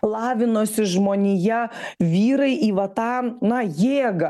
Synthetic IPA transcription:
lˠɑːʋʲɪnoːsʲɪʒmoːnʲɪjɛʋʲiːɾɐɪʔiːʋɐt̪ɑːnɐjeːɡɐ

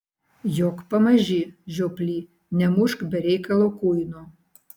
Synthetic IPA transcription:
jokpɐmɐʒʲiʒʲoplʲiː | nʲɛmuʃkbʲɛɾʲejkɐlˠokujno

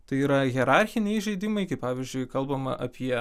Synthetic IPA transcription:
t̪ɐɪiːɾɐɣʲɛɾɑˑɾʲxʲɪnʲɛɪʒɐɪd̪ʲɪmɐɪkɐɪpɑːʋʲɪzʲd͡ʒʲʊɪkɐlˠbɐmɐʔɐ̰pʲiɛ

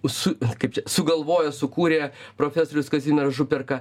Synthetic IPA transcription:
sʊkɐɪp̚t͡ʃʲɛsʊɡɐlˠʋoːjɛsʊkuːɾʲeːpɾoːfʲæsoːɾʲʊskɐzʲiːmʲɛɾɐʒʊpʲɛrkɐ

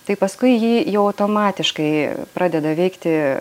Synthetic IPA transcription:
t̪ɐɪpɐskʊɪjiːjɛʊɐʊt̪oːmɑːt̪ʲɪʃkɐɪpɾɑːd̪ʲɛd̪ɐʋʲɛɪkt̪ʲɪ

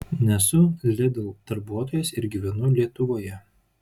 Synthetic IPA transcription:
nʲɛsʊlʲɪd̪ʲɛlˠd̪̥ɐɾbuɔt̪oːjɛsɪɾɡʲiʋʲɛnʊlʲiɛt̪ʊʋoːjɛ

